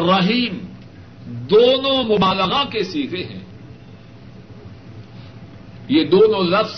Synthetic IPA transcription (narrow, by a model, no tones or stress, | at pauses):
rɐɦiːm | d̪oːnõmʊbaːləɣakesiːkeɦɛ̰̃ː | jed̪oːnõlɐf